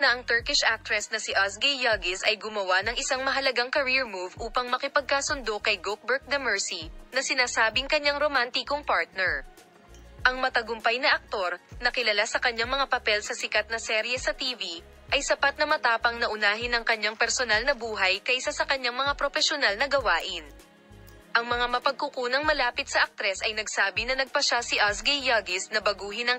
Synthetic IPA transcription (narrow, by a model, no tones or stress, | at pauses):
nɐʔɐŋt̪ɛɹkɪʃʔak̚t̪ɾɛsnɐsɪʔasɡɛjjɐɡɪsɐjɡʊmɐwanɐŋʔɪsaŋmɐɦɐlɐɡaŋkɐɾiɹmuvʔuːpɐŋmɐkɪpɐɡ̚kaːsʊnd̪o̞kɐjɡok̚bɛɹk̚d̪ɐmɛɹsinɐsɪnaːsaːbɪŋkɐɲaŋɾomant̪ɪkoŋpaɹt̪̚nɛɹ | ʔɐŋmɐt̪ɐɡʊmpajnɐʔɐk̚t̪o̞ɾnɐkɪlɐlasɐkɐɲːaŋmɐŋapɐpɛlsɐsɪkat̪̚nɐsɛɾjɛsɐt̪iːvi | ʔɐjsɐpat̪̚nɐmɐt̪aːpɐŋnɐʔʊnaːɦɪnɐŋkɐɲːaŋpɛɾsonalnɐbuːɦɐjkɐʔɪsasɐkɐɲːaŋmɐŋapɾofɛʃonalnɐɡɐwaːʔɪn | ʔɐŋmɐŋamɐpɐɡ̚kʊkuːnɐŋmɐlaːpɪt̪̚sɐʔɐk̚t̪ɾɛsʔɐjnɐɡsaːbɪnɐnɐɡ̚pɐʃasɪʔasɡɛjːɐɡɪsnɐbɐɡuːɦɪnɐŋ